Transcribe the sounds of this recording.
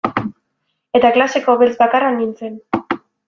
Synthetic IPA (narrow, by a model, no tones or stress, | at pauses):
e̞t̪aklase̞ko̞βelt͡sbakaranːint͡se̞n